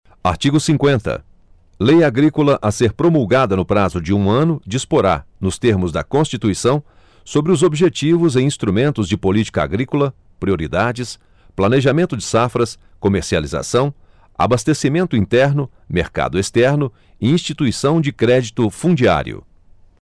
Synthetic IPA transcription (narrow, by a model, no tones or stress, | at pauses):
a̰ɾt͡ʃiɡʊsĩŋkwẽnt̪ɐ̰ | lejaɡɾikʊlɐʔaseɾpɾomuwɡad̪ɐnʊpɾazʊd͡ʒɪũɐ̃nʊd͡ʒispoɾa̰ɾnʊst̪eɾmʊzd̪ɐkõst͡ʃit̪uisɐ̃w̃ | sobɾɪʊzobiʒet͡ʃivʊzẽj̃ĩst̪ɾumẽnt̪ʊzd͡ʒɪpolit͡ʃi̥kɐa̰ɡɾikʊlɐ | pɾioɾid̪ad͡ʒɪs | plɐneʒamẽnt̪ʊd͡ʒɪsafɾɐs | komeɾsia̰liza̰sɐ̃w̃ | a̰bast̪esimẽnt̪ʊĩnt̪ɛɾnʊ | meɾka̰d̪ʊest̪ɛɾnʊ | ɪĩst͡ʃit̪uisɐ̃w̃d͡ʒɪkɾɛd͡ʒit̪ʊfũd͡ʒia̰ɾḭʊ̰